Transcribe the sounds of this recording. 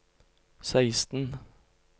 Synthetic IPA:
sæɪst̪n̩

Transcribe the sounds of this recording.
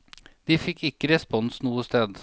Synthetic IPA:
d̪̥iːfɪkʰːɪkːəɾɛspɔnsnuːəst̪ʰeːd̪

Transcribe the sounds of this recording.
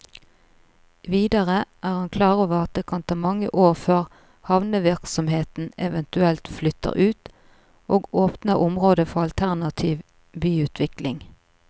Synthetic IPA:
ʋiːd̪əʁəʔæːʁhɑnkʰlɑːʁoːʋəʁɑt̪̚d̪eːkʰɑnt̪ʰɑːmɑŋə̰ʔoːʁføːʁ | hɑʋnəʋɪʁksɔmheːt̪n̩ɛʋɛnt̪ʉɛlt̪flʏt̪ə̰ʁʉːt̪ | ʔoːɡoːpnəʁʔʊmʁoːd̪əfɔʁɑlt̪ʰæʁnɑt̪ʰiːʋ | byːʉːt̪ʰʋɪklɪŋ

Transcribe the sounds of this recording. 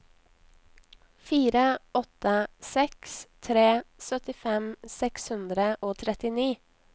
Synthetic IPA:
fiːɾəɔt̪əsɛkst̪ʰɾeːsœt̪ɪfɛmsɛkshʉnd̪ɾəʔoːt̪ʰɾɛt̪ɪniː

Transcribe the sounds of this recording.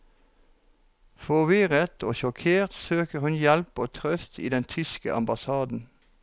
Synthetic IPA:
fɔʋɪʁət̪ʰoːʃɔkʰeːʁt̪søːkəʁhʉnjɛlpoːt̪ʰʁœst̪ḭːd̪ɛnt̪ʰʏskə̰ʔɑ̰mbɑsɑːd̪n̩

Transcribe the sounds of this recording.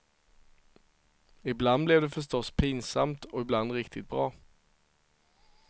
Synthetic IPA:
ɪbland̪̚blɛvd̪ɛfœʂʈɔspʰiːnsa̰mt̪ɔɪbland̪ɾɪkt̪ɪt̪̚bɾɑː

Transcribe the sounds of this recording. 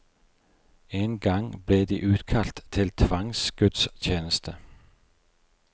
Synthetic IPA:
enɡɑŋb̥leːd̪iʔʉːd̪̥kʰɑlt̪tʰːɪlt̪ʰʋɑŋsɡ̥ʉd̪̥stʰeːnəst̪ə

